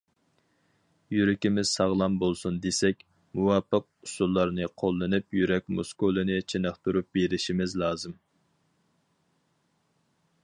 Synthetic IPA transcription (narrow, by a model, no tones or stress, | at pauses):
jyɾɪkʲimɪz̥sɑʁlˠɑmbolˠsund̪esɛkʲ | muwɑːpːəq̚usulˠːɑɾnɨqʰolˠːɨnɨpjyɾɛk̚ʲmṵskolˠɨnɨt͡ʃʰenəχt̪ʰuɾup̚beɾɪʃimɪzlˠɑːzɨm